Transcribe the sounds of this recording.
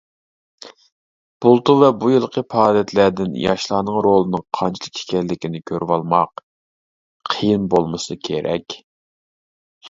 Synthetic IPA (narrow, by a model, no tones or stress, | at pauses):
b̥ulˠt̪uvɛbujɨlˠqʰəpʰɑːlˠijɛt̪ʰlæd̪ɪnjɑ̰ʃlˠɑːnɨŋɾolˠɨnɨŋqʰɑnt͡ʃʰilˠɨk̚ʰe̥kʲɛlːɪkʲinɪkʲʰøɾʔwɑlˠmɑq | əjinbolˠmɨsɨkʲʰeɾʔɛ̰kʲ